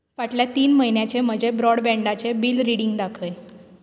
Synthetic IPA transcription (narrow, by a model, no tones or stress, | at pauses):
ʋaʈljat̪iːnməɦinjat͡ɕem̤əd͡ʑebɾɔɽbɛɳɖat͡sebiːlɾiɽiŋɡd̪akʰəj